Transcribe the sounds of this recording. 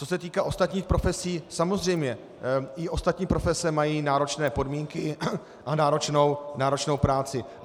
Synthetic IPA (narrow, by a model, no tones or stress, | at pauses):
t͡so̞sɛt̪iːkaːʔo̞st̪at̪ɲiːxpɾo̞fɛsiːsamo̞zr̝ɛjmɲɛ | ɪʔo̞st̪at̪ɲiːpɾo̞fɛsɛmajiːnaːɾo̞t͡ʃnɛːpo̞dmiːŋkɪ | ʔanaːɾo̞t͡ʃnownaːɾo̞t͡ʃno̞wpɾaːt͡sɪ